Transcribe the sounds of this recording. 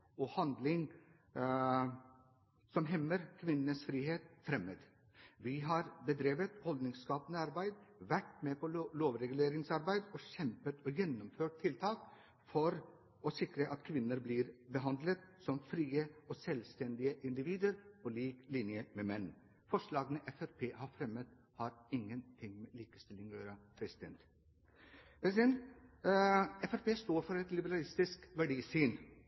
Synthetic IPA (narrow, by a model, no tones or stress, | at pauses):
ɔhɑnd̪lɪŋ | sɔmɦɛmːəɾkʰʋɪnənəsfɾiːheːt̪fɾɛməd̪ | ʋɪɦɑːɾbəd̪ɾeːʋət̪hɔld̪nɪŋskɑːpənəɑɾbæɪd̪ʋæʈmepʰɔloːʋɾɛɡʉleːɾɪŋsɑɾbæɪd̪ɔɕɛmpət̪ɔjɛnːʊmføːʈ̚t̪ʰːɪlt̪ʰɑːk | fɔɾ | ɔsɪkɾəʔɑt̪kʰʋɪnːəɾbliːɾbəɦɑnd̪lət̪sɔmfɾiːəɔsɛlst̪ɛnd̪ɪəʔɪnd̪ɪʋiːd̪əɾpɔliːklɪnjəmɛmɛnː | fɔʂɭɑːɡənəʔɛfæɾpʰeːhɑɾfɾɛmət̪ | hɑɾɪŋːənt̪ʰɪŋmɛliːkə̥st̪ɪlːɪŋøːɾəpʰɾɛsɪd̪ɛnt̪ | pʰɾɛsɪd̪ɛnt̪ | ɛfæɾpeːst̪oːɾfɔɾɛt̪lɪbəɾɑlɪst̪ɪskʋæɖiːsiːn